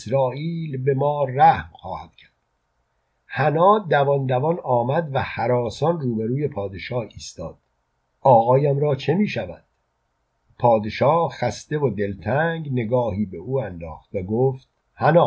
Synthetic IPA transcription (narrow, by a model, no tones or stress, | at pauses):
sɾɒːʔiːlbe̞mɒːræhmxɒ̰ːhæd̪̥cʰæɾd̪̥ | hænɒːd̪ævɒnd̪ævɒnɒːmæd̪væhæɾɒːsɒnruːbeɾuːje̞pʰɒːd̪e̞ʃɒːhiːst̪ɒ̰ːd̪̥ | ʔɒːɣɒːjæmɾɒːt͡ʃʰe̞miːʃævænd̪̥ | pʰɒːd̪e̞ʃɒːhxæst̪e̞vod̪e̞lt̪ʰæŋɡne̞ɡɒːhiːbe̞ʔuːænd̪ɒ̰ːxt̪væɡoːft̪̚ | hænɒː